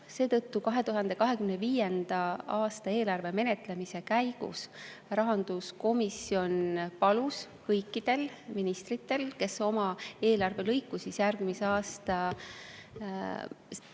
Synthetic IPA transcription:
se̞ːt̪ɤt̪ːukɑɦe̞t̪uɦɑnd̪̥e̞kɑɦe̞kymneviːjend̪̥ɑɑːst̪ɑe̞ːlɑrve̞me̞ne̞t̪ˑle̞mise̞kæjɡ̥ṵsrɑɦɑnd̪̥usko̞misjo̞npɑlus | kɤjkːˑid̪̥e̞lminist̪rit̪ːˑe̞lke̞so̞mɑe̞ːlɑrve̞lɤjkːˑusisjærɡ̥miseɑːst̪ɑ

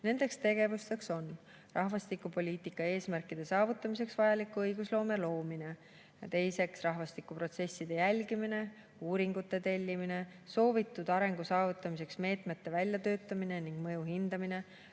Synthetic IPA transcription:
ne̞nd̪̥e̞kst̪e̞ɡ̥e̞vust̪e̞kso̞n | rɑhvɑst̪ikːupo̞lʲiːt̪ikːˑɑe̞ːsmærkːˑid̪̥e̞sɑːvut̪ːˑɑmis̬e̞ksvɑjɑlikːˑuɤjɡ̥uslo̞ːme̞lo̞ːmine̞ | jɑt̪e̞jse̞ksrɑɦvɑst̪ikːˑupro̞t̪se̞sʲːid̪̥e̞jælʲɡimine̞ | uːɾiŋɡ̥ut̪ːe̞t̪e̞lʲːimine̞so̞ːvit̪ːˑud̪ɑɾe̞ŋɡ̥usɑːvut̪ːˑɑmise̞ksme̞ːt̪ˑme̞t̪ːe̞vælʲjɑt̪ø̞ːt̪ːˑɑmineniŋɡ̥mɤjuɦind̪ɑmine̞

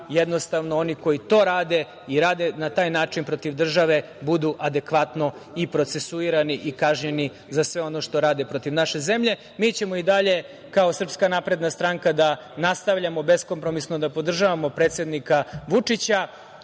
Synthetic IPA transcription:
jed̪no̞st̪aʋnooniko̞jit̪o̞ːɾaːd̪e̞ | iɾaːd̪e̞nat̪aːjnaːt͡ʂinpɾo̞t̪iʋd̪r̩ʒaʋe̞ | bud̪uʔad̪e̞kʋat̪no̞ipɾo̞t̪sesuiɾaniʔikaʒɲeni | zasʋeo̞no̞ʃt̪o̞ɾaːd̪epɾo̞t̪iʋnaʃe̞ze̞mʎe̞ | miːt͡ɕe̞moid̪aʎe̞ | kaosr̩pskanapɾe̞d̪nast̪ɾaŋkad̪a | nast̪aʋʎamo̞be̞sko̞mpɾo̞misno̞d̪apo̞d̪r̩ʒaʋamo̞pɾe̞ːt̪sje̞d̪nikaʋut͡ʂit͡ɕa

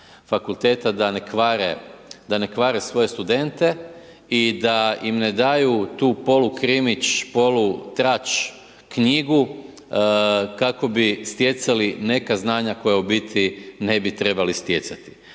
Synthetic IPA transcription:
fakulˠt̪e̞ːt̪ad̪anekʋaɾed̪ane̞kʋaːɾesʋo̞je̞st̪ud̪e̞nt̪e̞ | id̪aimne̞d̪ajut̪uːpo̞lukɾimit͡ʃpo̞lut̪ɾat͡ʃ | kɲiɡu | kako̞bist̪je̞t̪saline̞kaznaːɲako̞jaubit̪ine̞bit̪ɾe̞balist̪je̞t̪sat̪i̥

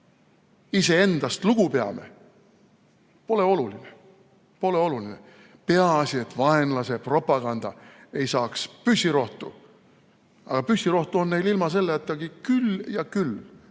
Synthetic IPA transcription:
ise̞e̞nd̪̥ɑst̪luɡ̥upe̞ɑ̰me̞̰ | po̞le̞o̞luline | po̞le̞o̞luline̞̰ | pe̞ɑɑsie̞t̪ːvɑe̞nlɑse̞pro̞pˑɑɡ̥ɑnd̪̥ɑe̞jsɑːkspysʲːiɾo̞ht̪u | ɑ̰ɡ̥ɑpysʲiɾo̞ht̪uo̞nne̞jlilmɑse̞lːeɑt̪ːˑɑɡikyljɑkyl

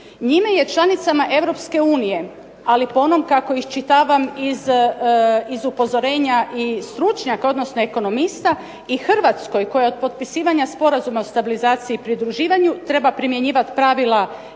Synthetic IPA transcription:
ɲimeje̞t͡ʃlˠanit̪samaʔe̞ʋɾo̞pske̞uːnije̞ | alipo̞no̞mkako̞ixt͡ʃit̪aːʋamiz | izupo̞zoɾe̞ːɲaʔist̪ɾut͡ʃɲakao̞d̪no̞sno̞eko̞no̞mist̪a | ixrʋat̪sko̞jko̞jeo̞d̪̚po̞t̪̚pisiːʋaɲaspo̞ɾazumaost̪abilizaːt̪siiːpɾid̪ɾuʒiːʋaɲut̪ɾe̞bapɾimje̞ɲiːʋat̪pɾaʋila

